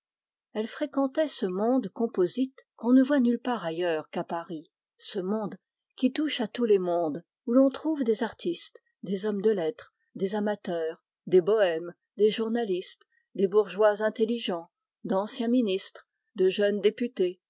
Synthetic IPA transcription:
ɛlfχekɑ̃t̪ɛsəmɔ̃d̪kɔ̃pozit̪kɔ̃nəvwanylpaʁajœːʁkapaʁi | səmɔ̃d̪ | kʲit̪uʃat̪ulemɔ̃d̪ | ulɔ̃t̪χuvd̪ezaʁt̪ist̪ | d̪ezɔmd̪əlɛt̪χ | d̪ezamat̪œːʁ | d̪ebɔɛm | d̪eʒuʁnalist̪ | d̪ebuʁʒwazɛ̃t̪eliʒɑ̃ | d̪ɑ̃sjɛ̃minist̪χ | d̪əʒənd̪epyt̪e

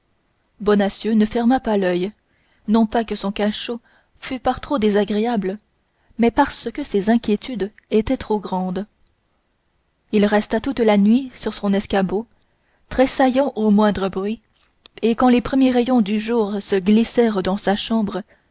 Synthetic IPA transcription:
bɔnasjønəfɛʁmapalœj | nɔ̃pakəsɔ̃kaʃo | fypaʁt̪χod̪ezaɡʁeablə | mɛpaʁsəkəsezɛ̃kʲjet̪yd̪ | et̪ɛt̪χoɡʁɑ̃d̪ | ilʁɛst̪at̪ut̪lanɥisyʁsɔ̃nɛskabo | t̪χesajɑ̃ʔomwɛ̃d̪ʁəbʁɥi | ekɑ̃lepχəmjeʁɛjɔ̃d̪yʒuːʁsəɡlisɛʁd̪ɑ̃saʃɑ̃bʁə

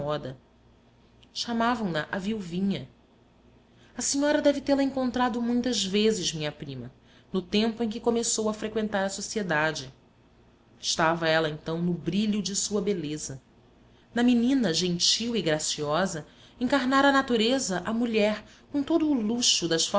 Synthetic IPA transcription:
ɔd̪ɐ | ʃamavɐ̃w̃nɐʔɐviwvĩɲɐ | ɐsiɲɔɾɐd̪ɛvɪt̪elɐẽŋkõnt̪ɾad̪ʊmũj̃t̪ɐzvezɪzmĩɲɐpɾĩmɐ | nʊt̪ẽmpʊẽkɪkomesowɐfɾekwẽnt̪aɾɐsosied̪ad͡ʒɪ | ɪʃt̪avɐɛlɐẽnt̪ɐ̃w̃nʊbɾiʎʊd͡ʒɪsuɐbelezɐ | nɐminĩnɐʒẽnt͡ʃiwɪɡɾasiɔzɐ | ẽŋkaɾnaɾɐːnat̪uɾezɐʔɐmuʎɛɾ | kõt̪od̪ʊːluʃʊd̪ɐʃf

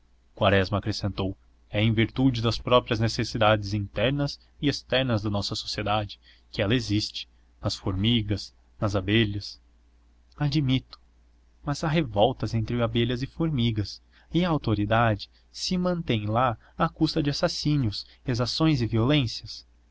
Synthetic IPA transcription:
kwaɾɛzmɐːkɾesẽnt̪ow | ɛẽĩviɾt̪ud͡ʒɪd̪ɐspɾɔpɾiɐznesesid̪ad͡ʒɪzĩnt̪ɛɾnɐz | ɪest̪ɛɾnɐzd̪ɐnɔsɐso̥sied̪ad͡ʒɪ̥ | kɪɛlɐezist͡ʃɪ̥ | nɐsfoɾmiɡɐs | nɐzabeʎɐs | ad͡ʒimit̪ʊ̥ | mɐzaɦevɔwt̪ɐzẽnt̪ɾɪabeʎɐzɪfoɾmiɡɐs | ɪɐawt̪oɾid̪ad͡ʒɪ̥ | sɪmɐ̃nt̪ẽj̃la | akust̪ɐd͡ʒɪasasĩnjʊs | ezasõj̃zɪviolẽsjɐs

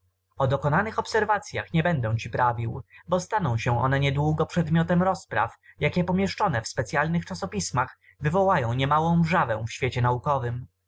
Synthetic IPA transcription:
ɔd̪ɔkɔnanɘxɔpsɛɾvat̪sʲja̰xɲɛbɛnd̪ɛw̃t͡ɕipɾavʲiwbɔst̪anɔ̃w̃ɕɛ̃ʔɔ̰nɛɲɛd̪wuɡɔpʂɛd̪mʲjɔt̪ɛmɾɔspɾa̰fjakʲɛpɔmʲjɛʂt͡ʂɔnɛfspɛt̪sʲjalnɘxt͡ʂasɔpʲismax | vɘvɔwajɔ̃w̃ɲɛmawɔ̃w̃ʐavɛ̃w̃fɕfʲɛt͡ɕɛnaukɔvɘm

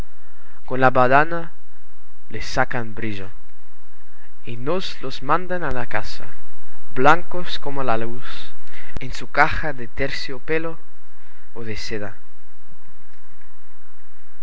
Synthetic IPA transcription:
konlaβaðana | lesːakanbɾiʒo | inozlozmãnd̪analakasa̰blaŋkoskomolalusensukaxaðet̪eɾsjopeloː | ðeseða

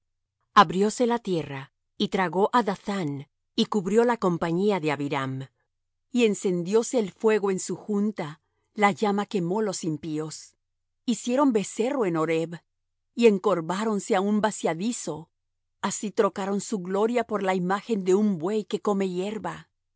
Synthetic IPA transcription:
aβɾjo̞se̞lat̪je̞ra | it̪ɾaɣo̞ʔaðaθan | ikuβɾjo̞lako̞mpaɲiaðeaβiɾam | ie̞nse̞nd̪jo̞se̞ːlfwe̞ɣo̞ensuxunt̪a | laʝamake̞mo̞lo̞simpio̞s | isje̞ɾo̞mbe̞se̞ro̞e̞no̞ɾe̞β | ie̞ŋko̞ɾβaɾo̞nse̞aumbasjaðiso̞ | asit̪ɾo̞kaɾo̞nsuɣlo̞ɾjapo̞ɾlaimaxe̞nd̪e̞umbwe̞jke̞ko̞me̞je̞ɾβa

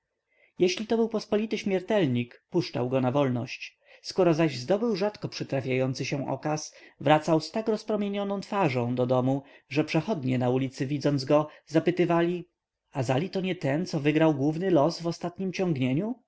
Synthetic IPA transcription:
jeɕlʲit̪ɔbɘwpɔspɔlʲit̪ɘɕmʲjɛɾt̪ɛlɲikpuʂt͡ʂa̰wɡɔnavɔlnɔɕt͡ɕ | skɔɾɔzaʑzd̪ɔbɘwʐat̪kɔpʂɘt̪ɾafʲjajɔnt̪sɘɕɛ̃ʔɔ̰kasvɾat̪sawst̪akɾɔspɾɔmʲjeɲɔnɔ̃w̃t̪faʐɔ̃w̃d̪ɔd̪ɔmuʐɛpʂɛxɔd̪ɲɛnaulʲit̪sɘvʲid̪zɔnd̪zɡɔzapɘt̪ɘvalʲi | azalʲit̪ɔɲɛt̪ɛnt̪sɔvɘɡɾawɡwuvnɘlɔsvɔst̪at̪ɲimt͡ɕɔ̃ŋɡɲeɲu

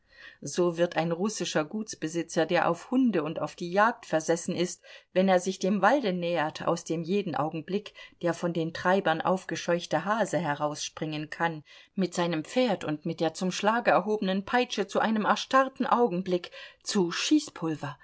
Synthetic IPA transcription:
z̥oːvɪɐtaɪnʁʊsɪʃɐɡuːtt͡sb̥əzɪt͡sɐdeːɐʔa̰ʊfhʊndəʊnta̰ʊfd̥iːjaːk̚tfɛɐzɛsn̩ɪstvɛneːɐzɪçd̥eːmvaldənɛːɐtʰa̰ʊsd̥eːmjeːdn̩ʔa̰ʊɡŋ̩blɪkd̥eːɐfɔndeːntʁ̥aɪbɐnʔa̰ʊfɡ̥əʃɔʏçtəɦaːzəɦɛʁaʊsʃpʁ̥ɪŋənkʰanmɪtz̥aɪnəmp͡feːɐtʊntmɪt̚d̥eːɐt͡sʊmʃlaːɡəɛɐɦoːbənənpʰaɪt͡ʃət͡suʔaɪnəmɛɐʃtaʁtn̩ʔaʊɡŋ̩blɪkt͡suʃiːspʰʊlvɐ

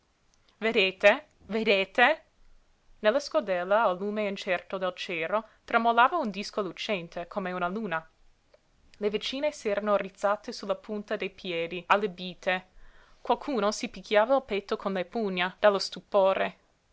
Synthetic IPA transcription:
ved̪eːt̪e | ved̪eːt̪e | nelːaskod̪ɛlːaːlːuːmeint͡ʃɛrt̪od̪elt͡ʃɛːɾot̪ɾamolaːvaund̪iskolut͡ʃɛnt̪ekʰomeunaluːna | levet͡ʃiːnesɛːɾanorit̪sat̪esulapʰunt̪ad̪ejpjɛːd̪ialːebiːt̪ʰe | kwalkʰuːnosipikʰːjaːvailpɛt̪ːokʰonlepuɲːad̪̥alːost̪upoːɾe

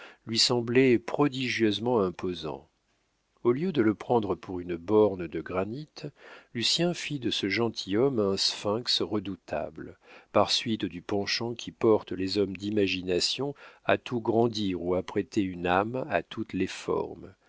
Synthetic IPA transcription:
lɥisɑ̃blɛpχɔd̪iʒjøzmɑ̃ɛ̃pozɑ̰̃ | oljød̪ələpχɑ̃d̪ʁəpʰuʁynəbɔʁnd̪əɡʁanit̪lysjɛ̃fid̪əsəʒɑ̃t̪ʰijɔmɛ̃sfɛ̃ksʁəd̪ut̪ʰa̰bləpaʁsɥit̪d̪ypɑ̃ʃɑ̃kʲʰipɔʁt̪əlezɔmd̪imaʒinasjɔ̃a̰t̪ʰuɡʁɑ̃d̪iʁuapχet̪eynama̰t̪ʰut̪lefɔ̰ʁm

